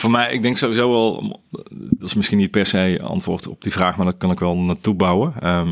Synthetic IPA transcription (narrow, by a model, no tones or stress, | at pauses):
fomɛjɪ̰ɡ̚dɛŋksowʋizowʋɛl̰ˠ | dɔtɪsmɪsxinit̚pɛɹsejɑ̰ntʋʊ̰ːɹtɔ̰b̚divraːxmaːɹdɔtkɑnɪkʋɛlˠnaːtubawəə